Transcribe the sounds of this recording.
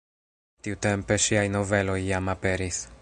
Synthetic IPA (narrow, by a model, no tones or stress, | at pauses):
tiute̞mpe̞ʃiajno̞ve̞lo̞jːamape̞ɾis